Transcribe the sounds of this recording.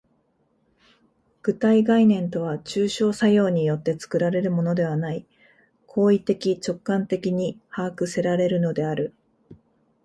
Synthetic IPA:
ɡ̥ɯ̟t̪aiɡainẽ̞nt̪o̞β̞at͡ɕɨːɕo̞ːsajo̞ːɲ̟ijo̞t̪ːe̞t͡sɨ̥kɯ̟ɾaɾe̞ɾɯ̟mo̞no̞d̪e̞β̞anai | kʰo̞ːit̪e̞kʲit͡ɕo̞kːãnt̪e̞kʲiɲ̟ihaːkɯ̟se̞ɾaɾe̞ɾɯ̟no̞d̪e̞aɾɯ̟

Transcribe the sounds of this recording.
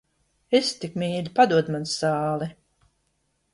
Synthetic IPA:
est̪ikmiːlʲipad̪uɔd̪mansaːlˠi

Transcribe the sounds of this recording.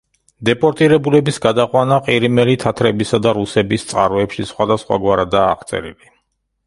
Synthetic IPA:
d̪ɛpʼɔɾt̪ʼiɾɛbulɛbisɡad̪aqʼwanaqʼiɾimɛlit̪ʰat̪ʰɾɛbisad̪aɾusɛbist̪sʼqʼa̰ɾɔɛpʃisχwad̪asχwa̰ɡwaɾad̪aːχt̪sʼɛ̰ɾḭli

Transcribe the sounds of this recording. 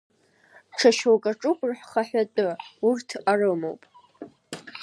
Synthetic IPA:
ʈ͡ʂʰaʃowkʼaʈ͡ʂʼʊkʷʼrħχaħʷᶣatʼɨurtʰarɨmo̞̰wpʼ

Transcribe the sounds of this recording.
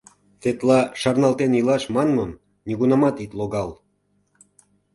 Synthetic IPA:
t̪et̪lɑʃɑrnɑlt̪enilɑʃmɑnmɤm | nʲiɣunɑmɑt̪it̪loɣɑl

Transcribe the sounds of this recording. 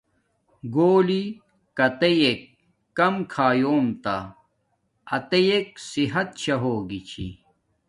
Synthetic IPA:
ɡoːli | kɐt̪ejek̚ː | ɐmkʰaːjoːmt̪a̰ | ɐt̪ejek̚siɦɐt̪̚t͡ɕʰɐɦoːɡit͡ɕʰḭ

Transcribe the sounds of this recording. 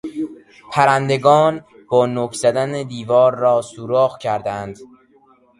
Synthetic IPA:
pʰæɾænd̪e̞ɡɒːn | b̥ɒːnoːkʰz̥æd̪æned̪iːvɒːɾːɒːsuːɾɔːɣcʰæɾd̪ænd̪̥

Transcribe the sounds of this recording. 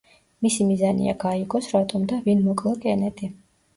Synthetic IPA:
misimizanḭa̰ɡaiɡɔsɾat̪ʼɔmd̪avinmɔkʼlˠakʼɛnɛt̪ʰi

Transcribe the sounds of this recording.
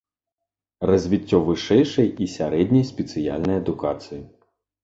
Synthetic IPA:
rɐzʲvʲitʲːɔvɨʂɛjʂɐjisʲaɾɛd̪ʲnʲɐjsʲpʲɛt̪sɨja̰lʲnɐjɐd̪ukat̪sɨji

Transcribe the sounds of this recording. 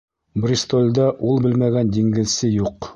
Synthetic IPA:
brʲist̪olʲd̪ɑʔulˠbɘlmæɡænd̪iŋɡɘ̆zsɘjuq

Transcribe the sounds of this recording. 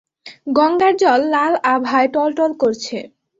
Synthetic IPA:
ɡɔŋɡaɾd͡ʑɔlːalabʱajʈɔlʈolkoɾt͡ɕʰe

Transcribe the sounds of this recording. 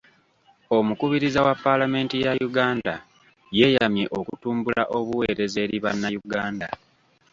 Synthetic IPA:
o̞mukuβiɾizawapːalame̞ːntijajuɡaːnda | je̞jamje̞ʔo̞kutuːmbula̰ʔo̞βuwe̞ːɾe̞ze̞ːɾiβanːajuɡaːnda

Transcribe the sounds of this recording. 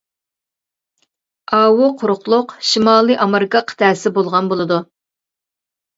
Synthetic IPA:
ɑːwʊqʰʊɾʊqlˠʊqʃimɑːlˠɨʔɑmeɾɨkɑqʰə̥t̪ʰæːsɪbolˠʁɑnbolˠɨd̪u

